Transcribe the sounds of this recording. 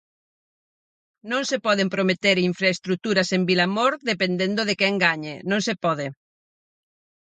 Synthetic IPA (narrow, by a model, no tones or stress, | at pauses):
nõnsepɔðempɾomet̪eɾiɱfɾaest̪ɾut̪uɾasembilamoɾðepend̪end̪oðekeŋɡaɲenõnsepɔðe